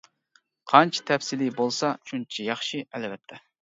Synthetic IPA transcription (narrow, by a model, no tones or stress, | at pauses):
qʰɑnt͡ʃʰi̥t̪ʰɛpsɪlibolˠsɑʃunt͡ʃʰijɑχʃiɛlvɛt̪ʰːɛ